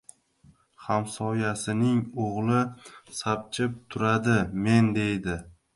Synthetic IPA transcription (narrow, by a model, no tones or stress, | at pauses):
hamsɒjasɪnɪŋoʁlˠɪsap̚t͡ʃʰɪp̚t̪ʰʊɾad̪ɪme̞nd̪e̞jd̪ɪ